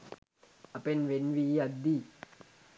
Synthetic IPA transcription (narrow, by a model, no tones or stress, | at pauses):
apenʋenwijad̪i